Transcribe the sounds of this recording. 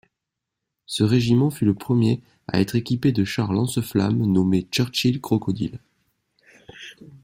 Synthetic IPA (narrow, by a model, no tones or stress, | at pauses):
səʁeʒimɑ̃fyləpχəmje | a̰ɛ̰t̪χekʲiped̪əʃaʁlɑ̃səfla̰mnɔmet͡ʃœʁt͡ʃilkχɔkɔd̪ḭl